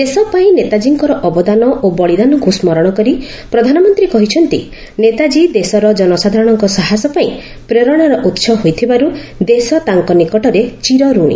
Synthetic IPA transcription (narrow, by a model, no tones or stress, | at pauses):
esɔpaĩnet̪ad͡ʒiŋkɔɾɔʔɔbɔd̪anɔʔobɔɭid̪anɔɡʱusmɔɾɔɽ̃ɔkɔɾi | pɾɔd̪ʱanɔmɔnt̪ɾikɔɦit͡ʃʰɔnt̪i | net̪ad͡ʒid̪esɔɾɔd͡ʒɔnɔsad̪ʱaɾɔɽ̃ɔŋkɔsaɦasɔpaĩ | pɾeɾɔɽ̃aɾɔʔut̪sʰɔɦojt̪ʰibaɾu | d̪esɔt̪aŋkɔnikɔʈɔɾet͡ʃiɾɔɾuɽ̃ḭ